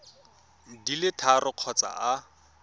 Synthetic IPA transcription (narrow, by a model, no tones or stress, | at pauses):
dilɪtʰarʊq͡χʰɔt͡sa̰a